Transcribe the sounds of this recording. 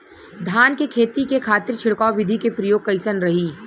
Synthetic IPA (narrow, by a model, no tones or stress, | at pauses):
d̪ʱaːnkekʰeːt̪ikekʰaːt̪ɪɾt͡ʃʰɪɽkaːʋɪd̪ʱikepɾɐjoːɡ̚kɐɪsənɾɐɦiː